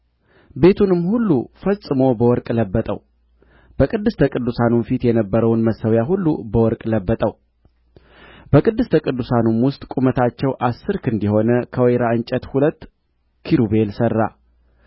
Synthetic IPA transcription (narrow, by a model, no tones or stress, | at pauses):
be̞t̪ʰunɨmhulːufəsʼɨmo̞bəwɔɾkʼləbːət̪ʼə̰w | b̥əkʼɨd̪ːɨst̪ʰəkʼɨd̪ːusanunfit̪jɛnəbːəɾəwnməsːəwjaɦulːubəwɔɾkʼləbːət̪ʼəw | b̥əkʼɨd̪ːɨst̪ʰəkʼɨd̪ːusanumwʊst̪ʼkʼumət̪ʰat͡ʃːɛwʔasːɨɾkʰɨnd̪iho̞nəkʰəwɔjɾaɨnt͡ʃʼət̪hulət̪ː | kʰiɾube̞lsərːa̰